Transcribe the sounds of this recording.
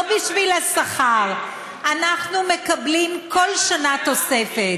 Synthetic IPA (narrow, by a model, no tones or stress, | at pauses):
biʃvilasaχaʁ | ʔanaχnume̞kablimko̞lʃanat̪o̞sefet